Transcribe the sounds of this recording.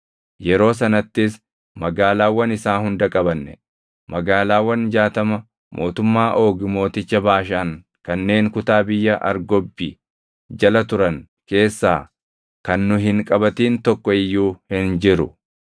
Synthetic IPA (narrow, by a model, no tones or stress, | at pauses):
jɛɾo̞ːs̬ɐnɐt̪ːɪs | mɐɡaːlaːwːɐnɪsaːhʊnd̪ɐkʼɐbɐnːɛ̥̰ | mɐɡaːlaːwːɐnd͡ʒaːt̪ɐmɐ | mʔo̞ːt̪ʊmːaːʔo̞ːɡmo̞ːt̪ɪt͡ʃːɐbaːʃɐɐŋ | kɐnːe̞ːŋkʊt̪aːbɪjːɐʔɐ̰ɾɡɔbːi | d͡ʒɐlɐt̪ʊɾɐŋ | ke̞ːsːaː | kɐnːʊɦɪŋkʼɐbɐt̪iːnt̪ɔkːɔɪjːuːhɪnd͡ʒɪɾʊ